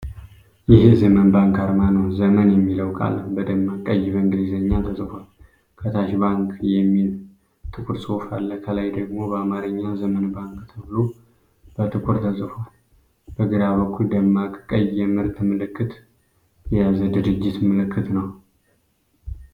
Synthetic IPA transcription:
jɪhzəmənbaŋkʰaɾmanəwzəmənjɛmːiləwkʼa̰lːəhbəd̪əmːakʼəjːβəŋɡɨlizəɲːat̪ʰəsʼɨfon | kʰət̪ʰaʃbaŋkjɛmːil | t̪ʰʼɨkʼuɾsʼofalːəhkʰəlajd̪əɡmo̞bəamaɾɨɲːazəmənbaŋkt̪ʰɨβɨlo | b̥ət̪ʰʼɨkʼuɾt̪ʰəsʼɨfon | b̥əɡɨɾaβəkʰuld̪əmːakʼkʼəjɛmɨɾt̪ʰɨmɨlɨkːɨt̪ | jɛjazəd̪ɨɾɨd͡ʒːɪt̪mɨlɨkʰːɨt̪nəw

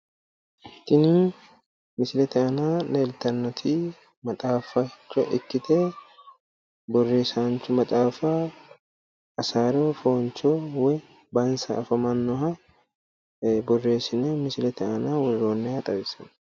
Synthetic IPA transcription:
t̪ːɪnin | mɪsɪlɛt̪ɛɐnaːleːlt̪ɐnːɔt̪ʰiː | mɐt̪ʼaːfɐt͡ʃːɐ̰ʔɪkːɪt̪ʰeː | bɔrːe̞ːsant͡ʃːʊmɐt̪ʼaːfa | ɐsaːɾoːfoːnt͡ʃowɛ | bɐnsɐːfɐmɐnːɔɦɐ | bɔrːe̞ːsɪnɛmɪsɪlɛt̪ɛɐnaːwɔrːoːnːɛɐt̪ʼɐbɪsɐn

